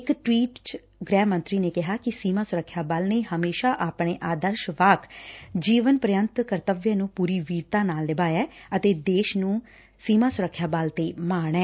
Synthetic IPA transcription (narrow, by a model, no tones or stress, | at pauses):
ɪkʈwiːʈ | ɡɾɛːmə̃nt̪ɾiːneːkɪɦaːkɪsiːmãːsʊɾəkʰːjaːbaːlneːhəmeːʃaːʔaːpɳeːʔaːd̪əɾʃʋaːkʰd͡ʒiːʋənpɾəjənt̪kəɾt̪əʋjə̃ːnũːpuːɾiːʋiːɾt̪ãːnaːlːɪbaːjɛːət̪eːd̪eːʃnũː | siːmãːsʊɾəkʰːjaːbaːlt̪eːmaːɳ̃ɛː